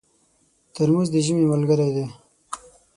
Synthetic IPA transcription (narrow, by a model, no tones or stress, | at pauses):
t̪əɾmuzd̪əʒimemalɡəɾed̪e